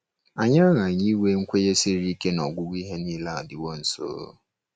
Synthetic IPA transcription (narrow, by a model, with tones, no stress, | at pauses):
a˨ɲa˦ɣa˨ɲi˦we˦ŋ̩˦kʷe˦je˦si˦ɾi˦ke˦nɔ˨ɡʷʊ˦wʷi˦ɦe˦niː˦la˨dɪ˨wo˦n̩˨so̰ː˨˦